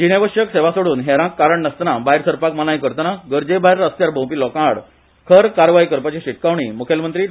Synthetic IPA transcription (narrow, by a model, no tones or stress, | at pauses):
d͡ʑiɽeʋəʂjəkseʋasoɽuːnɦɛɾãkːaɾəɳːəst̪nabajɾsəɾpakmalaj̃kəɾt̪naɡəɾd͡ʑebajɾəst̪jaɾbʱõw̃piːlɔkãɽ | kʰəɾkaɾʋaikəɾpat͡ɕiɕiʈ̚kaʋɳiːmukʰjəlmənt̪ɾiː